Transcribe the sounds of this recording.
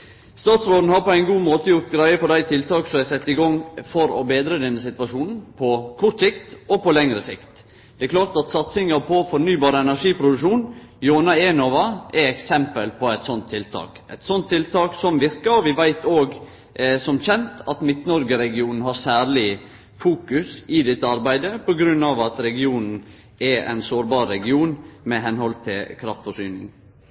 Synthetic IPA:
st̪ɑːt̪sɾoːd̪n̩hɑɾpɔæɪnɡuːmoːt̪əjʊɾt̪ɡɾæɪəpɔd̪æɪt̪ʰɪlt̪ʰɑːksɔæɪsɛt̪ːɪɡɔŋfɔɾɔ̰beːd̪ɾəd̪ɛnːəsɪt̪ʋɑʂuːnn̩pʰɔkʰɔɾʈ̪sɪkt̪ɔpɔlɛŋɾəsɪ̰kt̪ | d̪̥ɛɛkʰlɑːɾt̪ɑt̪sɑt̪sɪŋɑpʰɔfɔɾnyːbɑːɾəɛnæʂiːpʰɾʊd̪ʉʂuːnjoːnɑenoːʋɑʔɛɛksɛmpəlpʰɔæɪt̪sɔnt̪ʰːɪlt̪ʰɑ̰ːkʔɛt̪sɔnt̪ʰːɪlt̪ɑːksɔmʋɪɾkəɾɔʋɪʋæɪt̪oːɡ | sɔmçɛnt̪ʰɑt̪mɪt̪nɔɾɡəɾɛɡɪuːnn̩hɑɾsæːɾɭɪ | fuːkʉsɪd̪ɛt̪ːəɑɾbæɪd̪əpɔɡɾʉnːɑʋɑt̪ɾɛɡɪuːnn̩ | ʔɛæ̰ɪnsoːɾbɑːɾːɛɡɪuːnmɛɦɛnhɔlt̪ʰɪlkʰɾɑft̪fɔʂyːnɪ̰ŋ

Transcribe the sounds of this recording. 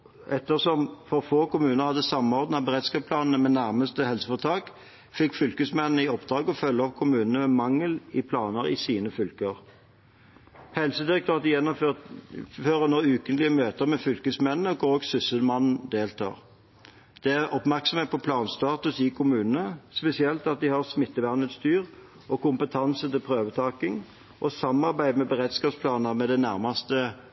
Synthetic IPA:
ʔɛt̪ːəʁsɔmfɔʁfoːkʊmʉːnəʁhɑd̪ːəsɑmːɔʁd̪n̩ɑbəʁeːd̪skɑːpsplɑːnn̩əmɛnæʁməst̪əhɛlsəfɔʁt̪ʰɑːk | fɪkːfʏlkəsmɛnnəɪɔpd̪ʁɑːɡɔfœlːəɔpkʰʊmʉːnənəmɛmɑŋːəlɪpʰlɑːnəʁɪ̰siːnəfʏlkəʁ | hɛlsəd̪ɪʁɛk̚t̪ʰøːʁɑt̪jɛnːɔø | føːʁənɔːʉːkənlɪəmøːt̪əʁmɛfʏlkəsmɛnːəɔɡoːɡsʏsəlmɑnn̩d̪eːlt̪ʰɑ̰ːʁ | d̪̥ɛæʁɔpmæʁksɔmeːt̪pɔpʰlɑːnst̪ɑːt̪ʉsɪkʰʊmʉːnənəspɛsɪɛlt̪ɑt̪̚d̪ɪhɑʁsmɪt̪ːəʋæʁnəd̪st̪ʰyːʁ | ʔɔkʊmpət̪ʰɑnsət̪ɪlpʰʁøːʋət̪ʰɑːkɪŋ | ʔɔsɑmɑʁbæɪd̪mɛbəʁɛt̪skɑːpspʰlɑːnəʁmɛd̪ɛnæʁmɑst̪ə

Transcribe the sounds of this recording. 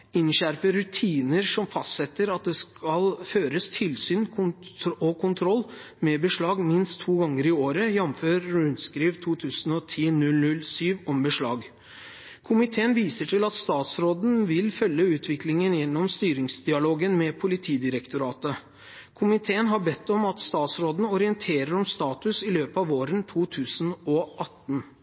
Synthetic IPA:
ɪnɕæɾpəɾʉt̪ʰiːnəɾʂɔmfɑst̪sɛt̪ːəɾɑt̪̚d̪ɛskʰɑlføːɾəst̪ʰɪlsyːn | ɔkʰʊnt̪ʰɾɔlː | mɛbəʂɭɑːɡmɪnst̪ʰːuːɡɑŋːəɾɪoːɾəjɛmføːɾʉnskɾiːʋt̪ʰuːt̪ʰʉːsən̩ɔt̪ʰiːnʉlnʉlsyːʋɔmbəʂɭɑ̰ːɡ | kʰʊmɪt̪ʰeːənʋiːsəʈʰɪlɑt̪st̪ɑːt̪sɾoːd̪n̩ʋɪlfœlːəʉːt̪ʰʋɪklɪŋənjɛnːɔmst̪yːɾɪŋsd̪ɪɑloːɡənmɛpʰʊlɪt̪ʰiːd̪ɪɾəkt̪ʊɾɑːt̪ə | kʰʊmɪt̪ʰeːənɦɑbɛt̪ːɔmɑt̪st̪ɑːt̪sɾoːd̪n̩ɔɾɪənt̪ʰeːɾəɾɔmst̪ɑːt̪ʉsɪløːpɑʋoːɾənt̪ʰuːt̪ʰʉːsn̩ɔʔɑt̪ːn

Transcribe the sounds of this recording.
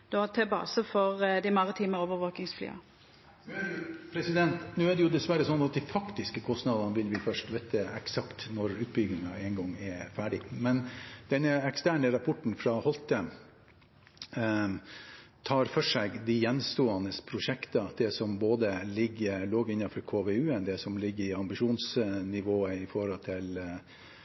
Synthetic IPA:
d̪̥ot̪ʰɛbɑ̰ːsəfɔʁd̪ɪmɑʁɪt̪ʰiːməoːʋəʋoːknɪŋsfly̰ːɑ̰ | pʰɾɛsɪd̪ɛnt̪nʉːɛɖɛjʊd̪ɛsʋæɾəsɔnːɑt̪̚d̪ifɑkt̪ɪskəkʰɔst̪nɑd̪ɑnəʋɪlʋɪfœʂʈʋɛt̪əɛksɑkt̪nɔɾʉːt̪̚bʏɡɪŋɑɛŋɡɔŋːɛfæːɖɪmɛnd̪̥ɛnːəɛkst̪æːɳəɾɑpʰɔʈɳ̩fɾɑhɔlt̪ə | t̪ʰɑːɾfœʂɛɡd̪ɪjɛnst̪oːɑnəspʰɾʊʂɛkt̪ɑd̪ɛsɔmboːd̪əlɪɡːəɾloːɡɪnːɑfɔɾkʰoːʋeʉːɛnd̪ɛsɔmlɪɡːəɾɪɑmbɪʂuːnsnɪʋoːəɪfɔɾɔlt̪ʰɪl

